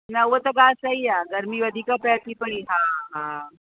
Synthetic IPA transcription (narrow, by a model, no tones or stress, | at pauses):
nɐʋot̪əɡaːsaiaɡəɾmiːʋəd̪ʱikapɛːt̪ipəɳiɦãɦã